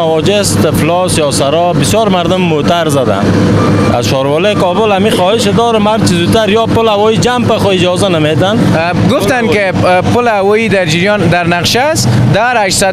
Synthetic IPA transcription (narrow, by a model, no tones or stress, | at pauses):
awɔd͡ʒest̪eflɔsjɔsaɾɔbɪsjɔɾmaɾd̪ʊmːot̪aɾzad̪a̰n | a̰zʃɔɾwɔlɔkɔbʊlamixɔːhɪʃed̪ɔːɾomaɾt͡ʃizut̪aɾjɔpʊlhawɔid͡ʒampaχʊɪd͡ʒɔzanamet̪an | ɡʊft̪ankɪ | pʊlawɔid̪aɾd͡ʒiɾjɔnd̪aɾnaqʃasd̪aɾaʃsa